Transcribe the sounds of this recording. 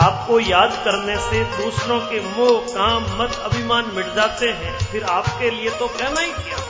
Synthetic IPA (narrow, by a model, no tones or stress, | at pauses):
aːp̚kojaːd̪kɐɾnesed̪uːsɾõkemoːkaːmːɐt̪ɐbʱɪmaːnmɪɽd͡ʒaːt̪eɦɛ̃pʰɪɾaːpkeliet̪opɛːlaɦĩkijaː